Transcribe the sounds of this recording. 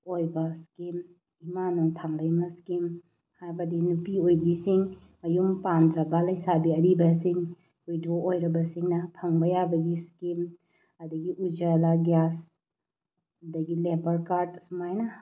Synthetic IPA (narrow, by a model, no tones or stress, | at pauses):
ojbɐskim | imanoŋtʰaŋlɐjmɐskim | hajbɐdinupiojbisiŋ | ɐjumpandɾɐbɐlɐjsabiɐɾibɐsiŋ | ujdoʔojɾɐbɐsiŋnɐpʰɐŋbɐjabɐɡiskim | ɐdɐɡiʔud͡ʒalaɡjas | ɐdɐɡilebɐɾkaɾdsumajnɐ